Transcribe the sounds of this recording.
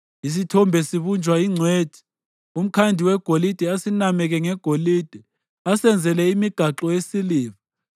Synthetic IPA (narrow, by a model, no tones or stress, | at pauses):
is̬itʰɔmbʱɛsiβund͡ʒʱwaiŋ͡ǀʱweːd̥ʱi̥ | um̩kʰandʱiwɛɡ̥ʱolid̥ʱɛasinamɛk̬ɛŋɛɡ̥ʱolid̥ʱɛ | asɛnd͡zʱɛlɛimiɡ̥ʱaǁɔjesiliːva